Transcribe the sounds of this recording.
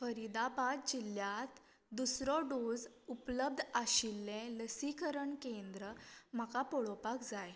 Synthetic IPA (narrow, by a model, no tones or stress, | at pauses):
fəɾid̪abad̪̚d͡ʑilːjat̪ | d̪usɾɔɖod͡zupləb̚d̪ʱaɕilːẽləsikəɾəɳkend̪ɾəm̤akapoɭopakd͡zaj